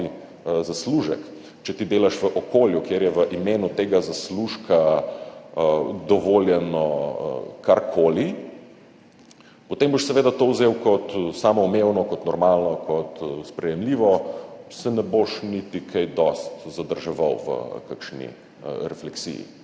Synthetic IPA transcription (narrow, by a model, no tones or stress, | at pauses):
zasluʒɛ̰k | t͡ʃɛt̪id̪eːlaʃʋəʔokoːljukeːɾjɛʋəʔimeːnut̪eːɡazasluʃkʰa | d̪ɔʋoljɛnɔ̰ | kaɾkʰoli | pot̪emboʃsɛʋeːd̪at̪owzewkɔt̪saːmɔːmewnɔkɔt̪nɔɾmalnɔkʰɔt̪spɾɛjɛmliʋɔsɛnɛboʃnit̪ikʰajd̪ɔst̪zad̪əɾʒɛʋa̰wʋə̰kakʃnḭ | ɾɛflɛksḭjḭ